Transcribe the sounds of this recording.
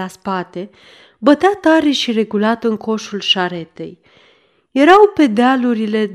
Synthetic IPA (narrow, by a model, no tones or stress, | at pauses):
aspat̪e̞ | bət̪eat̪aɾeʃire̞ɡulat̪ɨŋkʰo̞ʃulʃaɾe̞t̪e̞̰j | je̞ɾawpe̞d̪ealuɾile̞